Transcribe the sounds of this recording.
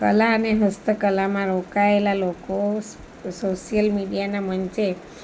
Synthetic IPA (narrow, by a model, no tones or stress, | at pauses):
kə̰laəneɦəst̪əkəlamãɾokaelaloko | soʃijəlmiɽijanamənt͡ʃe